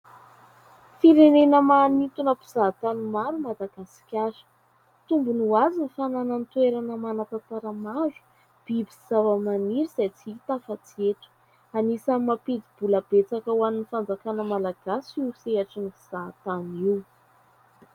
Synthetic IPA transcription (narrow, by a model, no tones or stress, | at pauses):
fiɾenenəmanit̪unəpi̥z̥at̪animaɾumad̪aɡasi̥kʲasə̥ | t̪umbunuazinifananant̪weɾanəmanat̪at̪aɾamazu̥ | b̥ibiz̥avəmaniɾiz̥ajt͡siit̪afat͡sieʈ͡ʂə̥ | anisamaped̪ib̥uləb̥et͡sakəwaninifand͡zakanəmalaɡ̥asiuseaʈ͡ʂinipiz̥at̪aniw